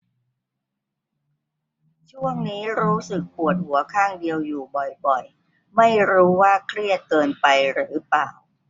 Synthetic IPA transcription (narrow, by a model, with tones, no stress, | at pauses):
t͡ɕʰu˥˩əŋniː˦˥ɾuː˦˥sɯ˨˩k̚pu˨˩ət̪̚hu˩˦ɐkʰaː˥˩ŋdi˧əwjuː˨˩bɔ˨˩jbɔ˨˩j | ma˥˩jɾuː˦˥waː˥˩kʰɾi˥˩ət̪̚kɤː˧npa˧jɾɯː˩˦paː˨˩w